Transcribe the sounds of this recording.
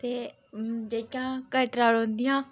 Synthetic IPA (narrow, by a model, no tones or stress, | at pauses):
t̪e | d͡ʑeːkãkəʈɾaːɽõnd̪ijãː